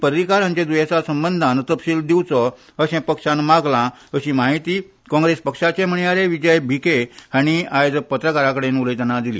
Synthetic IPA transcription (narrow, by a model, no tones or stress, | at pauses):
pəɾɾikaɾãɲt͡ɕẽd̪ujet͡sasəmbənd̪ʱant̪əpɕiːld̪iwt͡sɔ | əɕẽpəkʂãnmaɡlã | əɕĩmaɦit̪iː | kɔ̃ŋɡɾespəkʂat͡ɕẽm̤əɳ̃ijaɾeʋid͡ʑəjbʱikeaɽ̃iajd͡zpət̪ɾəkaɾakəɽenuləjd̪ənad̪ilḭː